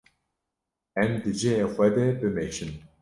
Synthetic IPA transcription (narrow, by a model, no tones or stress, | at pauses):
ɛmd̪ɨd͡ʒejexʷɛd̪ɛbɨmeʃɨm